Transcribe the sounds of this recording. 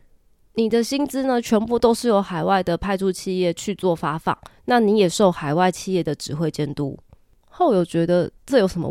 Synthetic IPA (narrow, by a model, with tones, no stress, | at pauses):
ni˨˩d̪ə˨ɕi˥nt͡sɹ̩˥nə˨t͡ɕʰɥɛ˧˥npu˥˨t̪o˥ʊʂɻ̩˥˩jo˧˥ʊxa˨˩ɪwa˥˩ɪd̪ə˩pʰa˥˧ɪt͡su˥˧t͡ɕʰi˥˧jɛ˥˨t͡ɕʰy˥˧t͡swɔ˥˨˩fa˥fɑ̰˨˩˦ŋna˥˨ni˧˥jɛ˨˩ʂo˥˩ʊxa˨˩ɪwa˥˧ɪt͡ɕʰi˥˧jɛ˥˩d̪ə˩ʈ͡ʂɻ̩˧˥xwe˥˧ɪt͡ɕjɛ˥˧nt̪ṵ˥ | xo˥˩ʊjo˨˩ʊt͡ɕɥɛ˧˥d̪ə˨ʈ͡ʂə˥˩jo˧˥ʊʂə˧˥mə̰˧